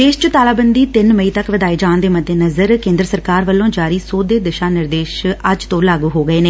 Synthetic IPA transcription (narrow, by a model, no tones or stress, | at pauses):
d̪eːʃt͡ʃət̪aːlaːbənd̪iːt̪ɪnməiːt̪əkʋəd̪aːeːd͡ʒaːnd̪eːməd̪ːeːnəzəɾkẽːnd̪ɾəsəɾkaːɾʋəlːõːd͡ʒaːɾiːsoːd̪eːd̪ɪʃaːnɪɾd̪eːʃəd͡ʒt̪õːlaːɡuːɦoːɡəeːneː